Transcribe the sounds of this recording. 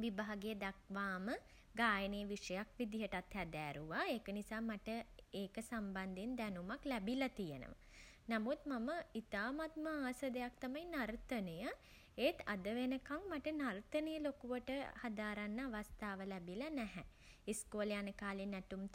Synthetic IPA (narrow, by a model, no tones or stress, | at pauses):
ʋibaɦaɡeːd̪akʋaːmə | ɡaːjənejəʋiʂəjakʋid̪iɦəʈat̪hɛd̪æːɾuʋaeːkənisaːmaʈəeːkəsamband̪ind̪ænumaklɛbilat̪ijənə̰ʋə̰ | namut̪maməit̪aːmat̪̚məaːsəd̪ejak̚t̪amainaɾt̪ənəjə | et̪a̰d̪əʋenəkaŋmaʈənart̪ənəjəlokuʋəʈəhad̪aːɾanːəaʋast̪aːʋəlɛbilanɛɦɛ | iskoːlejanəkaːlenæʈum